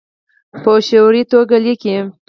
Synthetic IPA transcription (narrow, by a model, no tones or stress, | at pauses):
pəʃoɾit̪oɡaliki